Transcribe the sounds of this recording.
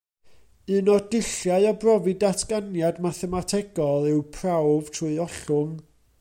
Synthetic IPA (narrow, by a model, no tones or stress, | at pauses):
ɨnɔdɪɬjaɨɔbrɔvɨdatʰɡ̥anjadmaθɛmatʰɛɡɔlˠɪwpʰrawv̥tʰrʊɨɔɬʊŋ